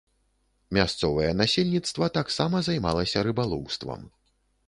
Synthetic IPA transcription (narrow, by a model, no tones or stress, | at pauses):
mʲast̪sɔvɐjɛnasʲelʲnʲit̪st̪vɐt̪aksamɐzajma̰lˠɐsʲɐɾɨbalˠɔwst̪vɐ̰m